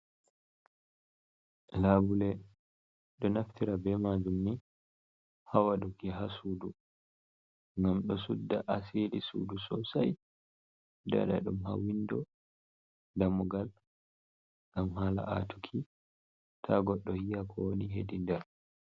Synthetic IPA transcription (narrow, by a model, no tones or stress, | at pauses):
laːbulɛ | ɗɔnaftiɾabɛmad͡ʒumni | hawaɗukɛɦasuːdu | ŋɡamɗɔsudːaʔaseɗisṵdusɔsa̰j | da̰ɗa̰ɗumɦa̰windɔ | damuɡal | ɡamɦaːla̰ʔa̰tukʰi | tʰaɡɔɗːɔhijakʰɔwoniɦedindɛɾ